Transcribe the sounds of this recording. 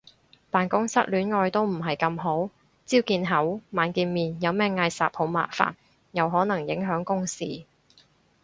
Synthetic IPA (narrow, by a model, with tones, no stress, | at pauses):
paː˨nkʊ˥ŋsɐ˥t̚lyː˨˥nŋɔː˧jt̪o˥wm̩˨˩ɦɐ˨jkɐ˧mɦo˨˥w | t͡siː˥wkiː˧nɦɐ˨˥wmaː˨˧nkiː˧nmiː˨njɐ˨˧wmɛː˥ŋɐ˧jsa̰ː˨p̚ho˨˥wma̰ː˨kfa̰ː˨n | jɐ˨˧wɦɔː˨˥nɐ˨˩ŋjɪ˨˥ŋɦœː˨˥ŋkʊ˥ŋsḭː˨˩